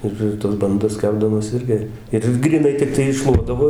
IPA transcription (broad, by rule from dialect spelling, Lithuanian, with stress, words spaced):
ˈɪr ɪr tɐs bɐnˈdɐs ˈkʲæːbdɐmoːs ˈɪrʲɡʲɪ ˈɪr ɡrʲiːˈnɐɪ tʲɪkˈtɐɪ ɪˈʃʃlˠuɔdɐʋoː